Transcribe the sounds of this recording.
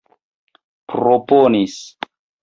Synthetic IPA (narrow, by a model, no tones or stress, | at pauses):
pɾoponis